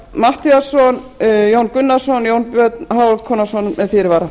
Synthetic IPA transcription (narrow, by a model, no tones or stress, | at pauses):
maht̪iasɔnjownkʏnːḁsɔnjoːwnpjœt̪nɦaːwlkʰɔːnasɔnmɛðfɪːɾɪɾvaːɾa